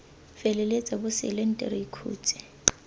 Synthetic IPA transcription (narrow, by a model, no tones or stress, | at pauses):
fɛlɛlet͡sʼabʊsɪ̰lɛn̩tʼɛ̰ɾɪikʰṵːt͡sʼɪ̥